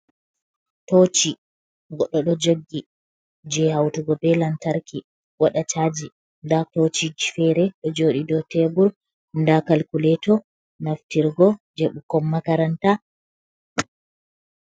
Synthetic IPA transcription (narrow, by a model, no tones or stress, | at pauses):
tot͡ʃi | ɡɔɗːɔɗɔd͡ʒoɡːi | d͡ʒɛhawtuɡɔbɛlantaɾki | waɗat͡ʃad͡ʒi | ndatot͡ʃid͡ʒifɛɾɛɗɔd͡ʒoːɗidɔtɛbuɾ | ndakalkulɛtɔ | naftiɾɡɔd͡ʒeɓukɔmːakaɾanta